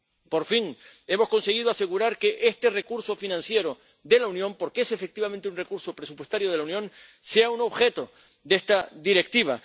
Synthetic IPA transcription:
po̞ɾfiŋe̞mo̞sko̞nse̞ɣ̞iðoase̞ɣ̞uɾaɾke̞ʔest̪ere̞kuɾso̞finãnsje̞ɾo̞ | ðe̞launjõ̞mpo̞ɾkeese̞fe̞k̚t̪iβament̪eunrekuɾso̞pɾe̞supwest̪aɾjo̞ð̞e̞launjõ̞n | seauno̞βxe̞t̪o̞ | ðest̪aðiɾe̞k̚t̪iβ̞a̰

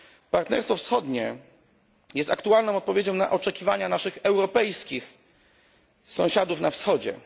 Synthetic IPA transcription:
paɾt̪nɛ̰ɾst̪fɔfsxɔd̪ɲɛ | jɛst̪akt̪ualnɔ̃w̃ɔt̪̚pɔvʲjed͡ʑɔ̃w̃na̰ʔɔt͡ʂɛkʲivaɲanaʂɘxɛwɾɔpɛjskʲix | sɔ̃ɕad̪ufnafsxɔd͡ʑɛ̰

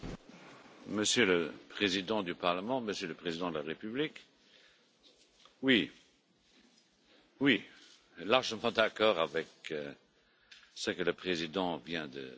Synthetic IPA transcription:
məsjøləpχezid̪ɑ̃d̪ypaʁləmɑ̃məsjøləpχezid̪ɑ̃d̪əlaʁepyblik | wi | wi | laʁʒəmɑ̃d̪akɔːʁavɛk | səkələpχezid̪ɑ̃vjɛ̃d̪ə̰

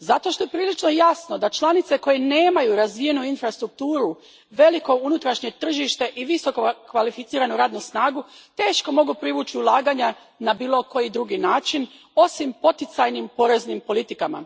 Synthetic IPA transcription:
zat̪o̞ʃt̪o̞je̞pɾiːlit͡ʃno̞jasno̞d̪at͡ʃlˠanit̪se̞ko̞je̞ne̞ːmajuɾazʋije̞nuinfɾast̪ɾuk̚t̪uːɾu | ʋe̞liko̞unut̪ɾaʃɲe̞t̪r̩ʒiʃt̪e̞ʔiʋiso̞kokʋalifit̪iːɾanuɾaːd̪nusnaːɡut̪e̞ːʃko̞mo̞ɡupɾiʋuːt͡ʃiulˠaːɡaɲa | nabiːlˠo̞ko̞jid̪ɾuɡinaːt͡ʃin | o̞simpo̞t̪it̪sajnimpo̞ɾe̞znimpo̞lit̪ikama̰

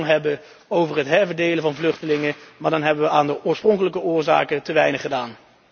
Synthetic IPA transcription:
ŋɦɛbə | owvərɦətɦɛɹvəɹdejləvɑnvlɵχtəlɪŋəmaːɹdɑnɦɛbəʋəaːndəʔʊːɹsproŋkələkəʊːɹza̰ːkətəʋɛjnəχədaːn

